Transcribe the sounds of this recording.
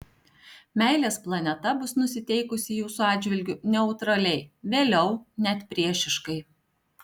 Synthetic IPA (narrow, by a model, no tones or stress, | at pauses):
mʲæˑɪlʲeːsplˠɐnʲɛt̪ɐbʊsnʊsʲɪt̪ʲɛɪkʊsʲɪjuːsuɑːd̪ʲd͡ʒʲʋʲɪlʲɡʲʊnʲɛʊt̪ɾɐlʲɛɪʋʲeːlʲɛʊnʲɛt̪pʲɾʲiɛʃʲɪʃkɐɪ